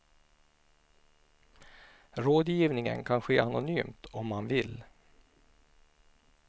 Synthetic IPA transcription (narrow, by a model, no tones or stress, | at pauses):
ɾoːd̪jiːvnɪŋə̰nkʰanɧeːʔanʊnyːmt̪ʰɔmːanvɪl